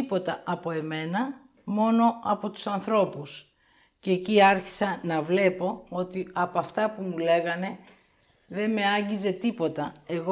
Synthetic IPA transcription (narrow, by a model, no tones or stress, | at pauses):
ipo̞t̪ɐɐpo̞e̞me̞nɐ | mo̞no̞ɐpo̞t̪u̥sɐnθɾo̞pus | ceːciɐɾçi̥sɐnɐvle̞po̞o̞t̪iɐpoɐft̪ɐpumule̞ɣɐne̞ | ðe̞nme̞ɐɲɟize̞t̪ipo̞t̪ɐe̞ɣo